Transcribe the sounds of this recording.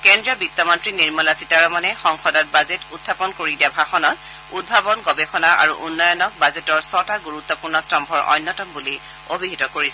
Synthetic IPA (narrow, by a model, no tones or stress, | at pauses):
kɛndɹiɔbitːɔmɔntɹiniɹmɔlasitaɹɔmanɛxɔŋxɔdɔt̚bazetutʰːapɔnkoɹidiabʱaxɔnɔt | ud̚bʱabɔnɡɔbexɔnaa̰ɹuʔunːɔjɔnɔk̚bazetɔɹsɔtaɡuɹut̪ːɔpuɹnɔstɔmbʱɔɹʔɔ̰jnːɔtɔmbuli | obʱiɦitɔkoɹisɛ